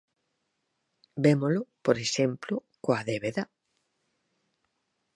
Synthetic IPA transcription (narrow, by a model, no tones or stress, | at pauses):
bemolʊpoɾeʃemplʊkoaðeβeða